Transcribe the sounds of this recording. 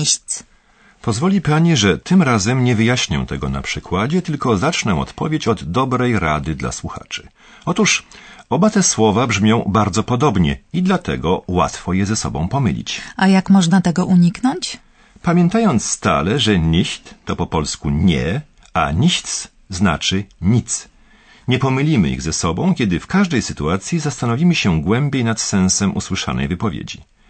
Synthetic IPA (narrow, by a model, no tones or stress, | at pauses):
t̪s | pɔzvɔlʲipaɲiʐɛt̪ɘmɾazɛmɲɛvɘjaɕɲɔ̰w̃t̪ɛɡɔna̰pʂɘkwad͡ʑɛt̪ɘlkɔzat͡ʂnɛ̃w̃ɔ̰t̪pɔvʲjet͡ɕɔd̪ːɔbɾɛjɾad̪ɘd̪la̰swuxa̰t͡ʂɘ̥ | ɔt̪uʂɔbat̪ɛswɔvabʐmʲjɔ̃w̃baɾd̪zɔpɔd̪ɔbɲɛ̰id̪lat̪ɛ̰ɡɔwa̰t̪fɔjɛzɛsɔ̰bɔ̃w̃pɔmɘ̰lʲḭt͡ɕajakmɔʐnat̪ɛɡɔʔuɲiknɔɲt͡ɕ | pamʲjɛnt̪ajɔnt̪sst̪a̰lɛʐɛɲiɕt̪ːɔpɔpɔlskuɲɛ̰ | aɲiɕt̪s | zna̰t͡ʂɘɲit̪s | ɲɛpɔmɘlʲimɘ̰ḭɣzɛsɔbɔ̃w̃kʲɛd̪ɘfkaʐd̪ɛjsɘt̪uat̪sʲjizast̪anɔvʲimɘɕɛɡwɛmbʲjejnat̪sɛ̃w̃sɛmʔṵswɘʂa̰nɛ̰jvɘpɔvʲjḛd͡ʑḭ